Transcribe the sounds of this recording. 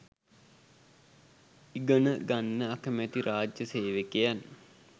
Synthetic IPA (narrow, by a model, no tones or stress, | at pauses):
iɡənəɡanːəakəmæt̪iɾʔaːd͡ʒjəseːʋekejan